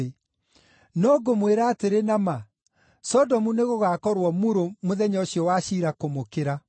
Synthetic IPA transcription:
nɔɡomweɾaːteɾenama | sɔdɔmuneɣoɣaːkɔɾwɔmuɾomoðɛɲɔɕiɔwaɕiɾakomokeɾa

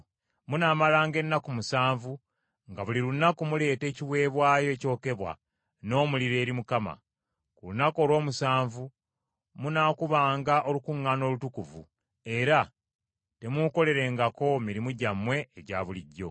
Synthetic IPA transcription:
munaːmalaːŋɡe̞nːakumusaːɱvu | ŋɡaβulilunakumule̞ːte̞ːciβwe̞ːβwaːjo̞eco̞ːke̞βwa̰ | no̞ːmuliɾe̞ːɾimukama̰ | kulunako̞ːlwo̞ːmusaːɱvu | munaːkuβaːŋɡaʔo̞lukuŋːaːno̞ːlutukuvṵ | e̞ɾa | te̞muko̞le̞ɾe̞ŋɡako̞miɾimuɟamːwe̞ːɟaːβuliɟːo̞̰

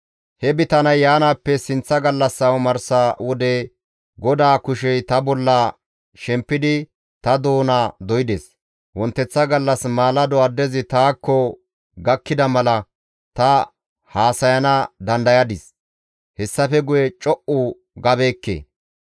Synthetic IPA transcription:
hɛbɪt̪ɐnɐjːaːnaːpːɛsɪnt͡sːɐɡɐlːɐsːɐwʊmɐɾsaːwɔd̪eː | ɡɔd̪aːkʊʃɛjt̪ɐbɔlːɐ | ʃɛmpːɪd̪ɪ | t̪ɐd̪oːnaːd̪ɔjɪd̪es | wɔnt̪ːɛt͡sːɐɡɐlːɐsmaːlɐd̪ɔɐd̪ːɛzɪt̪aːkːɔ | ɡɐkːɪd̪ɐmɐlɐ | t̪ɐ | haːsɐjɐnɐd̪ɐnd̪ɐjɐd̪ɪs | hɛsːɐfɛɡʊjɛt͡ʃʼɔʔu | ɡɐbe̞ːkːḛː

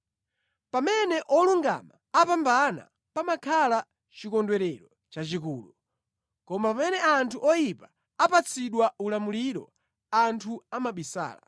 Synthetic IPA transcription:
pamɛnɛʔɔluŋɡa̰ma | apambana̰ | pamakʰala | t͡ʃikɔndwɛɾɛɾɔ | t͡ʃat͡ʃikuːlu | kɔmapamɛnɛantʰuʔɔjipa | apat͡sʰiɗwaulamuliɾɔ̰ | antʰuamaɓisa̰ːla̰

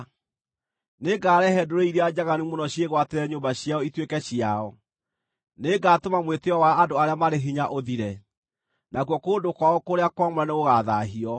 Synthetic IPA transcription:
neɡaːɾɛhɛdoɾeiɾead͡ʑaɣanumonɔɕjeɣwateɾɛɲombaɕjaɔitwekɛɕijaɔ | neɡatomamweteɔwaadoaɾeamaɾeɦiɲaʔoðiɾɛ | nakwɔkoːdokaɔkoɾeakwamoɾɛneɣoɣaðaɦiɔ

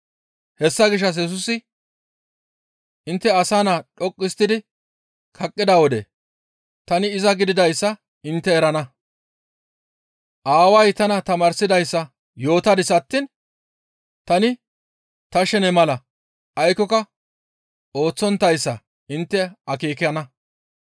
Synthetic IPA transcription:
hɛsːɐɡɪʃ̬ːɐs̬jɛs̬ʊsɪ | ʔɪnt̪ːɛɐsaːnaᶑɔkʼːɪst̪ɪd̪ɪ | kʰɐkʼːɪd̪awɔd̪ḛ | t̪ɐnɪɪzɐɡɪd̪ɪd̪ɐjsːɐ | ɪnt̪ːɛːɾɐnɐ | ʔaːwɐjt̪ɐnɐt̪ɐmaːɾsɪd̪ɐjsːɐ | jo̞ːt̪ɐd̪ɪsɐt̪ːiːn | t̪ɐnɪ | t̪ɐʃɛnɛmɐlɐ | ɐjkɔkɐ | o̞ːt͡sːɔnt̪ːɐjsːɐ | ɪnt̪ːɛɐkeːkɪjɐnɐ

